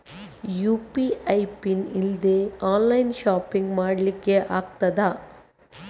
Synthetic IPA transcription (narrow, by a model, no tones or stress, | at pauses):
juːpiɐjpinild̪eːaːnlɐjnʃaːpiŋɡmaːɽlikːeʔaːɡ̚t̪ɐd̪aː